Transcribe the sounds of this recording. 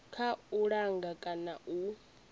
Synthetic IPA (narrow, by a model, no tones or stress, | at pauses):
kʰauɺaŋɡakʼanaʔu